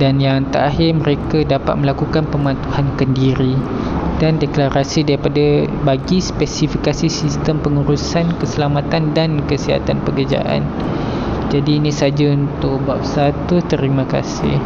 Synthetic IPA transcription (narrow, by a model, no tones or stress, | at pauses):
danjaŋnt̪a̰ʔaɦɪrmə̃ɾekadapa̰t̪̚mə̃lakukanpəmãnt̪uhankəndiɾi | dandɛklaɾasidaɾipadabaɡispɛsifikasisist̪əmpəŋuɾusankəsəlamat̪andankəsiɦa̰t̪anpəkərd͡ʒa̰ʔa̰n | d͡ʒadiːnĩsad͡ʒaunt̪ʊʔ̚bap̚sat̪ut̪əɾimãka̰sɪ̰h